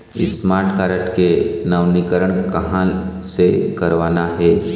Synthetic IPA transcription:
ɪ̰smaːɾʈkaːɾəʈkenəʋnikəɾəɽ̃kɐɦã | sekɐɾʋaːnaɦɛː

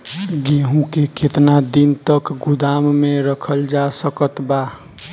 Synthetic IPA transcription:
ɡiɦũkekʰet̪nad̪int̪əkɡʊd̪aːmmẽɾəkʰəld͡ʒasəkət̪ba

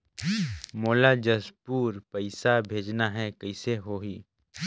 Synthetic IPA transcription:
moːlad͡ʒɐspuːɾpəɪsabʱeːd͡ʒnaɦɛkɐɪseɦoːɦiː

